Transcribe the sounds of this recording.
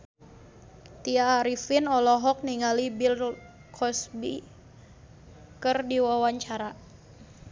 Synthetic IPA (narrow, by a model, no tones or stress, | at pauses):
t̪iaːɾifinɔlɔɦɔk̚niŋalibil | kʰɔsbi | kɨrdiwawaɲt͡ʃaɾa